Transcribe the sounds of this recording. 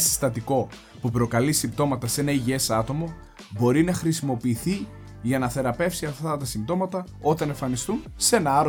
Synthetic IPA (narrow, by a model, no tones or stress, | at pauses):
si̥st̪ɐt̪iko̞ | pupɾo̞kɐlisimbt̪o̞mɐt̪ɐse̞nɐiʝie̞sɐt̪o̞mo̞ | bo̞ɾinɐxɾisimo̞piːθi | ʝɐnɐθe̞ɾɐpe̞fsiɐft̪ɐt̪ɐsimt̪o̞mɐt̪ɐ | o̞t̪ɐne̞ɱfɐnist̪unse̞nɐɐɾo